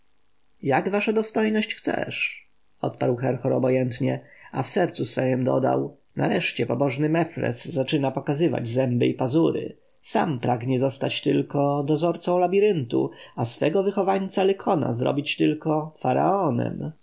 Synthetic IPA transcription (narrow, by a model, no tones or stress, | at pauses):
jaɡvaʂad̪ɔst̪ɔjnɔɕt͡ɕxt̪sɛ̰ʂ | ɔt̪paɾwxɛɾxɔɾɔbɔjɛnt̪ɲɛafsɛɾt̪susfɛjɛmd̪ɔ̰d̪a̰w | na̰ɾɛʂt͡ɕɛpɔbɔʐnɘmɛfɾɛ̰sːat͡ʂɘnapɔkazɘva̰d͡ʑzɛmbɘipazuɾɘ̰ | sampɾaɡɲɛzɔst̪at͡ɕt̪ɘlkɔd̪ɔzɔɾt̪sɔ̃w̃labʲiɾɘnt̪ṵasfɛɡɔvɘxɔvaɲt̪salɛkʰɔna̰zɾɔ̰bʲit͡ɕt̪ɘlkɔfaɾa̰ɔnɛ̰m